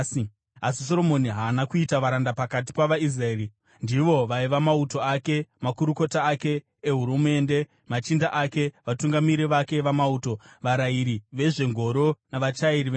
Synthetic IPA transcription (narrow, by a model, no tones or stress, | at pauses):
asis̬o̞ɾo̞mo̞niɦaːnakuitaʋaɾandapakat̬i̥paʋais̬raeːɾi | ndiʋo̞ʋaiʋamauto̞ake̞makuɾuko̞taːke̞ː | ɦuɾume̞nde̞ | mat͡ʃindaʔake̞ʋatuŋɡamiɾiʋake̞ʋamauːto̞ʋaɾaiɾiʋe̞ʐe̞ŋɡʱo̞ɾo̞naʋat͡ʃaiɾiʋe